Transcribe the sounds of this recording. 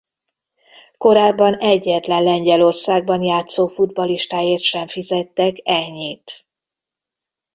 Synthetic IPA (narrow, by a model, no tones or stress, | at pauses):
ko̞ɾaːbːɒnɛɟːɛt̪lɛnlɛɲɟɛlo̞rsaːɡ̚bɒnjaːt̪soːfud̪bɒliʃt̪aːjeːrt̪ʃɛɱfizɛt̪ːɛkɛɲːiːt̪